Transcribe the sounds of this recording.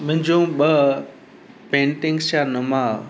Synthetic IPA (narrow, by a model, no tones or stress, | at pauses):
mʊ̃ɦɪ̃ɲd͡ʑõɓə | pẽːɳʈɪ̃ŋɡst͡ɕanɐmaː